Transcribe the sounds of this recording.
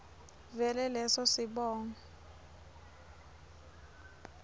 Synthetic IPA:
vɛlɛlɛsɔsɪɓɔːŋɔ

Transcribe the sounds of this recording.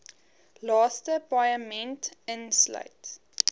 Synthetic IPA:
lɑːstəpajəmɛ̃ntənsla̰ɪt

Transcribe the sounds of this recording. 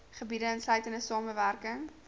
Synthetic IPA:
χəbidəənslœɥtəndəsɑːməværkəŋ

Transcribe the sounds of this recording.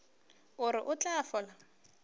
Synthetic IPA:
ʊɾɪʔʊt͡ɬʼafɔla

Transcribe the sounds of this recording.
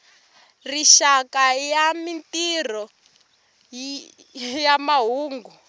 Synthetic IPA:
riʃakajamintir̤ɔ | jamaɦuːŋɡu

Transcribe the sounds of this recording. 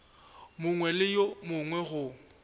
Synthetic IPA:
mʊŋwɛlɪjomʊŋwɛɣʊ

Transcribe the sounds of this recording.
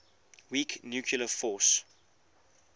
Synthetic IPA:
wiknjuːkʰiləfɔˑs

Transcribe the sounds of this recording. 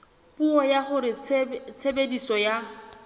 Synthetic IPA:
puɔjaχʊɾɪt͡sʰebedisɔja

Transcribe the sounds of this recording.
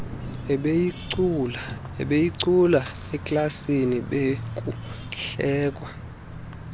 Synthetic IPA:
ɛɓejiǀula | ɛkʼlasiniɓek̬ʼu | ɬɛːkʼwa

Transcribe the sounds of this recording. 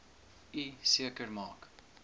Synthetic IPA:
isiəkərmɑːk

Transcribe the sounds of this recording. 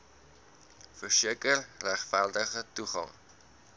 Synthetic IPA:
fərsiəkərlæχfældəχətuχɐ̰ŋ

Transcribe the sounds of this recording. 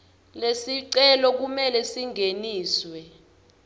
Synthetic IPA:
lesiǀɛlɔk̬umɛlɛsiŋʱeniːswɛ

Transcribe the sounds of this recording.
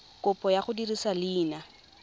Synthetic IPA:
kʊpʼɔjaχʊdirisalɪːna

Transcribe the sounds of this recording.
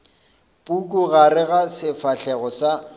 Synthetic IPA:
pʼukʼʊɣaɾɪɣasɪfaɬɛɣɔsa

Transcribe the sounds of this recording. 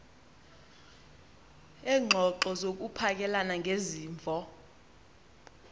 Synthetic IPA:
ɛːŋ͡ǃʱɔǃɔzok̬upʰak̬ʼɛlanaŋʱeziːɱvʱɔ

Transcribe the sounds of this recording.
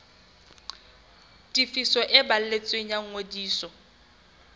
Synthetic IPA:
dʼifisɔʔɪbal̩let͡sʼweɲaŋ̩ŋodiːsɔ

